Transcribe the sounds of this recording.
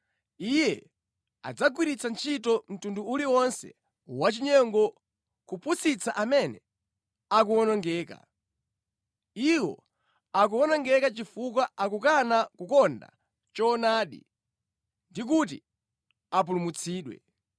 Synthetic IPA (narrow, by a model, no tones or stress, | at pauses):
ijɛ | a̰d͡zaɡwiɾit͡sʰant͡ʃʰitɔm̩tunduuliwɔnsɛ̰ | wat͡ʃiɲɛŋɡɔ | kupusit͡sʰaʔamɛnɛ | ak̬uɔnɔŋɡɛːka̰ | iwɔ̰ | ak̬uɔnɔŋɡɛkat͡ʃifuk̬waakukanakukɔnda̰ | t͡ʃɔnaːɗḭ | ndik̬ut̬ḭ | ap̬ulumut͡sʰiːɗwɛ̰